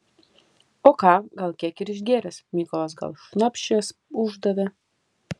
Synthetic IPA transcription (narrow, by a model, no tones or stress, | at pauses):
oːkɑːɡɐlˠkʲiɛkɪɾɪʃ̬ɡʲeːɾʲɛsmʲikɔlˠɐs̬ɡɐ̰lˠʃnɔpʲʃʲt͡ʃʲɛsuʒd̪ɐd̪ɐ